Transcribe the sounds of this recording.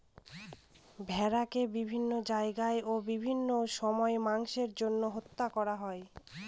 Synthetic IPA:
bʱɛɾakebibʱinːod͡ʑaeɡaeobibʱinːoʃɔmɔemaŋʃeɾd͡ʑonːoɦot̪ːakɔɾaɦɔe

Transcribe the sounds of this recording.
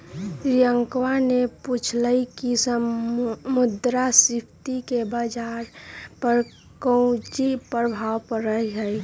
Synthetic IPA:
ɾijəŋkwaneput͡ʃʰləikisə | mud̪ɾasɪpʰt̪ikebad͡ʒaɾpəɾ | kəw̃d͡ʒipəɾbʱawpəɾəɦiɦəj

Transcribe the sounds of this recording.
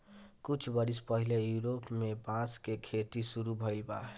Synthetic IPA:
kut͡ʃʰbʌɾispʌɦilejuɾopmebãskekʰeʈ̪isuɾubʱʌjlba̰

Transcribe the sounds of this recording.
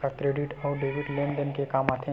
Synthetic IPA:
akɾeːɖiʈɔːɾɖeːʋiɖlẽːnɖənkekaːmaːt̪ʰẽ

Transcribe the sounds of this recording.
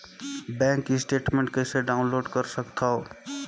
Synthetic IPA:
bɛ̃ŋkːisʈeʈmẽɳʈ̚kəɪseɖaʊ̃nloːɖkəɾsəkt̪ʰao

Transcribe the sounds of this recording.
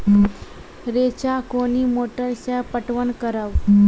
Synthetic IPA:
ɾet͡ɕakoniːmoʈəɾsapəʈʋəɳkəɾaʋ

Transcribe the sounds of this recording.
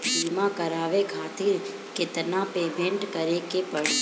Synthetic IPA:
simãkəɾaːʋekʰaːt̪ʰi | kɪt̪napeːmẽɳʈkəɾekepəɽi

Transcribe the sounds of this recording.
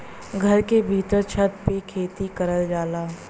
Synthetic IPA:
ɡʱɐɾkebʱiːt̪əɾt͡ʃʰət̪pekʰeːt̪ikɐɾəld͡ʒaːlaː

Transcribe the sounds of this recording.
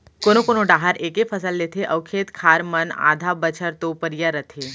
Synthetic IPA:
koːnokoːnõɖaːɦəɾeːkepʰəsəlːeːt̪ʰeʔɐʋkʰeːt̪kʰaːɾməna̰ːd̪ʱabət͡ʃʰəɾt̪opəɾijaɾət̪ʰeː

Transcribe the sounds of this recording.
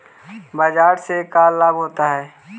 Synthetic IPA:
baːd͡ʒaːɾsekaːlːaːbɦoːt̪aɦɛː

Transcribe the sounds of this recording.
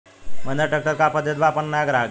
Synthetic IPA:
m̤ənd͡ʑ̪aʈək̚ʈəɾkapəd̪ʱːet̪bapəɳnajaɡɾaɡ

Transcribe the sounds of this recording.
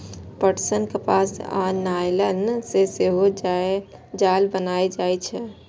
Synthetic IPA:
pəʈsənkepasa̰najlənseseɦod͡ʒa | d͡ʒalbənaːed͡ʒaːjt͡ʃʰɛ

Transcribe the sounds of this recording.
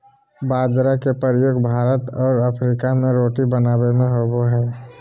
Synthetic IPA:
baːd͡ʒɾakepəɾəjoːɡbʱaːɾət̪ɔːɾəpʰɾikamẽɾoːʈibənaːbemẽɦoɡoɦɛː

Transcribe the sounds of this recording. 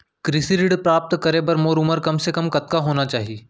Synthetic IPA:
kɾɪsiɾɪɽpɾaːp̚t̪kɐɾebɐɾmoːɾʊməɾkɐmsekɐmkɐt̪̚kaɦoːnat͡ʃaːɦieː

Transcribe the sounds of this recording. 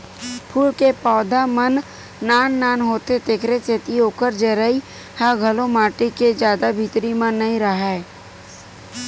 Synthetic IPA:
pʰuːlkepɔːd̪amənː | aːnːaːnɦoːt̪et̪eːkʰɾet͡ʃeːt̪ioːkəɾd͡ʒəːɾəi | haɡʱəlõmaːʈiked͡ʒjaːd̪abʱit̪ɾimãnːɐɦĩɾəɦa

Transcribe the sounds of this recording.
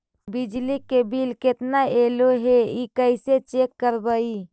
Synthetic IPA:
bid͡ʒlikebilket̪naeloɦeikəɪset͡ʃekːəɾbəi

